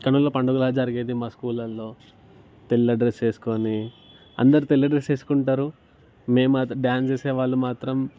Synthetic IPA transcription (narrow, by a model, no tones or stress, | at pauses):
kɐnulːoːpɐɳɖuɡulaːd͡ʒɐɾiɡeːd̪imaːskuːlɐllo̞ː | t̪elːɐɖɾest͡ʃe̞ːsu̥koni | ɐ̰nd̪ɐɾut̪elːɐɖɾest͡ʃeːsu̥kuɳʈaːɾu | me̞ːmat̪ɖjaːnst͡ʃeːseːʋaːɭːumaːt̪ɾɐm